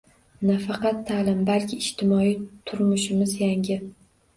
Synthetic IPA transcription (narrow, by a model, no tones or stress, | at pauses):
nafɑqɑt̪ʰːalɪmbalkʲʰɪːʃt̪ʰɪmɒit̪ʰʊɾmʊʃɪmɪzjaŋʲɪ